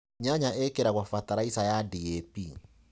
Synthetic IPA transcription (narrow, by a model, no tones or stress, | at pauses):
ɲaɲaʔɛkeɾaɣwafat̪aɾaisajadiɛpi